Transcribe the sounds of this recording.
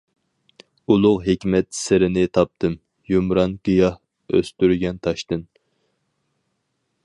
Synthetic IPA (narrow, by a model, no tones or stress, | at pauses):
ulˠʊqɦekʲmɛt̪sɪɾɪnɪt̪ʰɑp̚t̪ʰɨm | jumɾɑnɡ̥ijɑh | ø̰st̪yɾɡʲɛnt̪ʰɑʃt̪ɨn